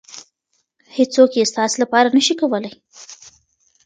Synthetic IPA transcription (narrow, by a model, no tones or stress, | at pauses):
het͡sokjest̪ɑslapɑɾanəʃikawəlaj